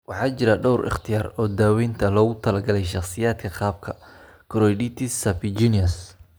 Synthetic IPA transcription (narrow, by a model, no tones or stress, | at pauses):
wɑħɑːt͡ʃɪɾɐɖɔwrʔɪ̰χt̪ʰɪjaːɾɔːd̪aːwɛːnt̪ʰɐlɔːɣʊt̪ʰɐlɐɡɐlɛjʃɑχsɪjaːd̪kʰɐqɑːb̚kʰɐ | kʰɔɾɔjɖit̪ʰɪsɐfɪd͡ʒiːnɐs